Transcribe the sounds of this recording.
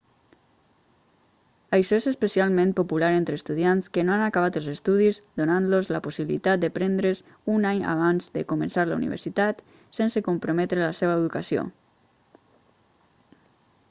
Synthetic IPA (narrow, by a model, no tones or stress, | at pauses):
əjʃɔezəspəsialˠmẽmpopulaɾent̪ɾəːst̪uðjanskənoanakaβ̞at̪əlˠzəst̪uðizd̪onanlozləposiβilḭt̪at̪̚d̪əpɾend̪ɾəz | unaɲa̰β̞anzd̪əkumənsaɾlə̰unḭβ̞ə̰ɾsit̪at̪ | sensəkompɾomɛt̪ɾələseβəːðukasio̰